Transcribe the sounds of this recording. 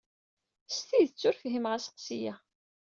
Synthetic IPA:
st̪iðət͡sːʊɾfɦimʁasə̥qsijæ

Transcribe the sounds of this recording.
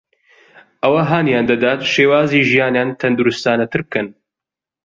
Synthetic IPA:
ʔɐwɐɦaːnjaːnd̪ɐd̪aːt̪ʃeːwaːziːʒijaːnjaːnt̪ʰɐnd̪uɾust̪aːnɐt̪ʰɨɾb̚kʰɐn

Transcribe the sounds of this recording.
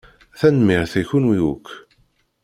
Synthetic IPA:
θænmiʁθæçunwijukː

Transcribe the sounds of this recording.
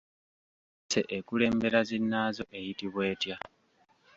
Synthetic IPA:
se̞ʔekule̞ːmbe̞ɾazinːaːzo̞ʔe̞jitiβwe̞ːtja

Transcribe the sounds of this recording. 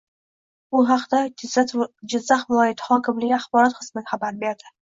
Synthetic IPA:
bʊɦɑqd̪a | d͡ʒɪzːaχvɪlˠɒjɪt̪ʰhɒkʲʰɪmlɪɡʲaχbɒɾɒt̪qʰɨsmɪnɪχabaɾbe̞ɾd̪ɪ

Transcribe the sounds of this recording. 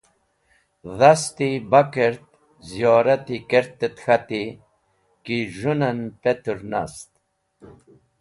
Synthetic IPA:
ðast̪ibakeɾt̪̚ | zijɔːɾat̪ikeɾt̪ːet̪xat̪i | kiʒunanpet̪uɾna̰st̪

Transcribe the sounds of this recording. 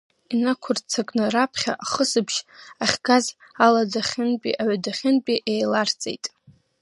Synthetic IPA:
inakʷʰʊrt͡sʰakʼnɨɾapʰχʲa̰ʔaχəsɨbʒaχʲɡazaladaχʲɪnpʼḭʔaʕadaχʲɪnpʼiʔejlart͡sʼḛjtʼ

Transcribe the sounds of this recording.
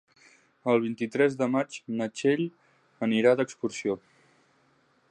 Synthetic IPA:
əlˠβ̞int̪it̪ɾɛzðəmat͡ʃnət͡ʃeʎ | əniɾaðəkskuɾsio

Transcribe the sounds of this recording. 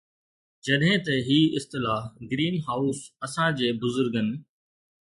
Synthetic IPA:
d͡ʑɐɗɦɪ̃t̪ɐɦiːɪst̪ɪlaːɦɡɾiːnɦaːʊsɐsãd͡ʑeːbʊzʊɾɡənɪ̆

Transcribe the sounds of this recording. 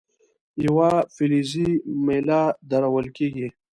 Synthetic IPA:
jawafilizimelad̪aɾawəlkeːɡi

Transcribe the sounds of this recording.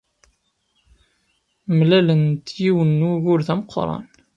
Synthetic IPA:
mlælənt̪jiwənːuʝʊɾθæməqʰːɾˤɑ̰n

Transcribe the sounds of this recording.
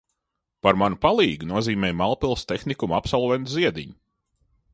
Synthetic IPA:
paɾmanupalˠiːɡunuɔziːmɛːjmalˠpilˠst̪exnikumapsɔlˠvɛnt̪uziɛd̪ḭɲu

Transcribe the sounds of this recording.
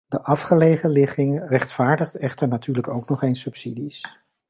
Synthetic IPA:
dəʔɑfχəlejχəlɪχɪŋrɛχtfaːɹdəχtɛχtəɹnatyːɹləkowknɔχejnsɵpsidis

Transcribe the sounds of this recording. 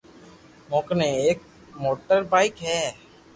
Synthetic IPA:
mõːknẽeːk̚ | moːʈəɾbaːɪkɦɛː

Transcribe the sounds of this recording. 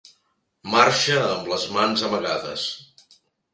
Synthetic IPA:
maɾʃəːmbləzmanzəməɣaðə̰s

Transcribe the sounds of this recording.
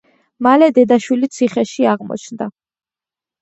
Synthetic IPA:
malɛd̪ɛd̪aʃwilit̪sʰiχɛʃiaʁmɔ̰t͡ʃʰnd̪a

